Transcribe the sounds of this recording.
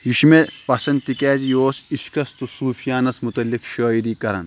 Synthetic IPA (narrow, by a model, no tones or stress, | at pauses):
jiʃmepɐsɐnd̪̚t̪ikɛːzijoːsiʃkɐst̪usuːfʰijaːnɐsmut̪ɐlːikʃoːiɾiːkɐɾɐ̰n